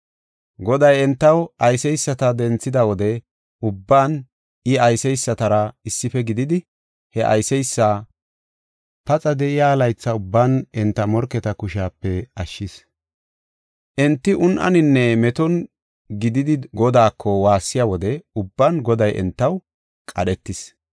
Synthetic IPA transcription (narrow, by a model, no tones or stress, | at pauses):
ɡɔd̪ɐjɛnt̪ːɐwʔɐjsɛjsːɐt̪ɐd̪ɛnt͡sːɪd̪ɐwɔd̪ɛ | ʊbːaːn | ɪɐjsɛjsːɐt̪ɐɾɐɪsːɪfɛɡɪd̪ɪd̪ɪ | hɛʔɐ̰jsɛjsːaː | pɐt͡sʼɐd̪ɛɪjaːlɐjt͡sːɐʊbːaːnɛnt̪ːɐmɔɾkːɛt̪ɐkʊʃaːpːɛɐʃːɪs | ʔɛnt̪ːɪʔʊnʔɐ̰nɪnːɛmɛt̪ɔn | ɡɪd̪ɪd̪ɪɡɔd̪aːkʰːɔwaːsːɪjawɔd̪ɛʊbːanɡɔd̪ɐjʔɛ̰nt̪ːɐw | kʼɐɗɛt̪ːɪs